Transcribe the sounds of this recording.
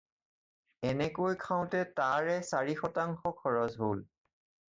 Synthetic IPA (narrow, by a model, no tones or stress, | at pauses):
ɛnɛkojkʰãʊ̃tɛtaɹɛsaɹixɔtaŋxɔkʰɔɹɔzɦol